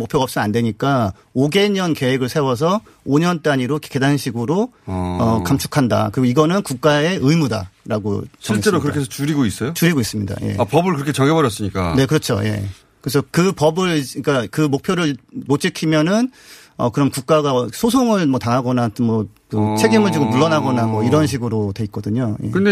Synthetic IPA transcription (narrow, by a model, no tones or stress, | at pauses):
mok̚pʰjoɡʌp̚s͈ʌnandwe̞ɲik͈a | oɡe̞ɲʌnke̞weɡɯɭsʰewʌs̬ʰʌ | oɲʌnt͈aɲiɾokʰke̞danɕʰiɡɯɾoʌkamt͡ɕʰu̥kʰanda̰kɯɾiɡoiɡʌnɯnkuk̚k͈ae̞ʔɯjmuda̰ɾaɡo̰t͡ɕʰʌit͡ɕ͈eɾokɯɾʌkʰes̬ʰʌt͡ɕuɾiɡois͈ʌjot͡ɕuɾiɡois͈ɯmɲida̰je̞̰apʌbɯɭkɯɾʌkʰet͡ɕʌɡebʌɾjʌs͈ɯɲik͈a̰ne̞kɯɾʌt͡ɕʰo̰je̞̰ | kɯɾes̬ʰʌkɯpʌbɯɭik͈akɯmok̚pʰjoɾɯɭmot͡ɕ͈ʰikʰimjʌnɯn | ʌ̰kɯɾʌmkuk̚k͈aɡasʰosʰoŋɯɭmʌtaŋɦaɡʌnamʌkɯt͡ɕʰe̞ɡimɯɭt͡ɕiɡomuɭːʌnɦaɡʌnamwʌiɾʌnɕ̬ʰiɡɯɾotwe̞it̚k͈ʌdɯɲojḛkɯnde